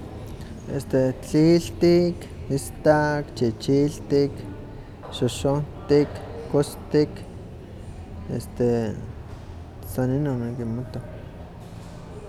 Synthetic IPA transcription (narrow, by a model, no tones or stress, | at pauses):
ḛst̪et͡ɬiɬt̪ik | ist̪akt͡ʃit͡ʃiɬt̪ik | ʃoʃont̪ikːost̪ik | ḛst̪e | saninonekimot̪o